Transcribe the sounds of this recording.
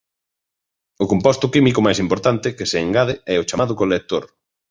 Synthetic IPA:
ʊkompɔst̪ʊkimikʊmajsimpoɾt̪ant̪ɪkɪseːŋɡaðɪɛʊt͡ʃamaðʊkolek̚t̪oɾ

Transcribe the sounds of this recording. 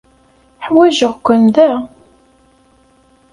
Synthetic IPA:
ħwæʒəʁkʷːənðæ

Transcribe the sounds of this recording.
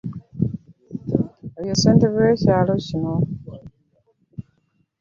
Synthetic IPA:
eβjoseːnteβweːcaːlo̞cino

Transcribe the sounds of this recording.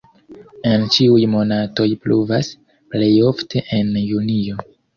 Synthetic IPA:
e̞nt͡ʃiujmo̞nato̞jpluvas | ple̞jo̞ftʰe̞ʔenjunio̞

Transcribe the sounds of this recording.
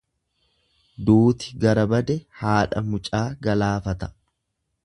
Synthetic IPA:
d̪uːt̪ɪɡɐɾɐbɐd̪ɛhaːᶑɐmʊt͡ʃʼaːɡɐlaːfɐt̪ɐ̥

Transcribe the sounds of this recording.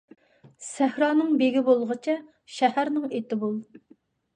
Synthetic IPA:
sæhɾɑːnɨŋbeɡʲibolˠʁət͡ʃʰɛ | ʃɛhæɾnɪŋet̪ɪbolˠ

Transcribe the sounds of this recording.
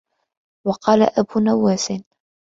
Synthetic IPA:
wɑqɑːla̰ʔabunawːaːsɪn

